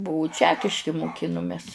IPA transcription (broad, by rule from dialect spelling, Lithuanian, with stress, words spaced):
ˈbʊʋʊ ˈt͡ʃʲæːkʲɪʃʲkʲɪ mʊˈkʲɪnʊmʲɛs